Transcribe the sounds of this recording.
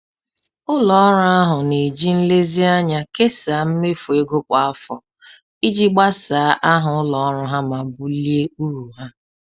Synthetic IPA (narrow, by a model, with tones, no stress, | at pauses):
ʊ˦lɔ˨˦ɾʊ˦a˦ɦʊ˨ne˨d͡ʒi˦n̩˦le˦zi˦a˦ɲa˦ke˦saː˨˦m̩˦me˦fu˨e˦ɡo˦kʷa˨a˦fɔ̰˨ | i˦d͡ʒi˦ɡ͡ba˦saː˨˦ʔa˦ɦʊ˨ʊ˦lɔ˨ɔ˦ɾʊ˦ɦa˦ma˨bu˦li˦e˦u˦ɾu˨ɦa˦